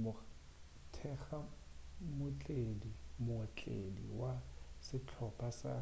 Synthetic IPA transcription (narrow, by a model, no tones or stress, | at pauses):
mʊ | tʰɛχamʊt͡ɬʼedimʊt͡ɬʼḛdḭwasɪt͡ɬʰɔpʼasa̰